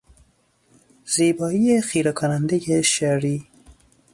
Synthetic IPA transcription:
z̥iːbɒːijexiːɾɛkʰonand̪ejeʃaɾiː

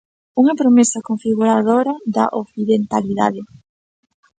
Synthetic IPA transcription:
uŋɐpɾomesɐkoɱfiɣuɾaðoɾaða̰ʔoθiðent̪aliða̰ðe

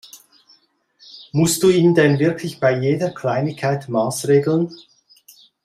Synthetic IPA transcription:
mʊstd̥uːiːndɛnvɪɐkʰlɪçb̥aɪjeːdɐkʰl̥aɪnɪçkʰaɪtmaːsʁeːɡl̩ən

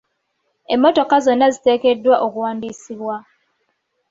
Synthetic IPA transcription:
e̞mːo̞to̞kazo̞nːazite̞ːke̞dːwaʔokuwaːndiːsiβwa

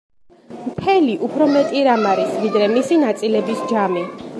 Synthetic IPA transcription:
mt̪ʰɛliʔupʰɾɔmɛt̪ʼiɾamaɾisvid̪ɾɛmisinat̪sʼilɛbisd͡ʒami

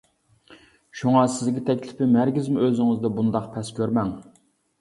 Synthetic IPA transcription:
ʃuŋɑsɪzɡʲɛt̪ʰɛkʲlɪpɪmæɾɡʲizmuøzɪŋɪzd̪ɛbund̪ɑqpʰɛskʲøɾmɛŋ

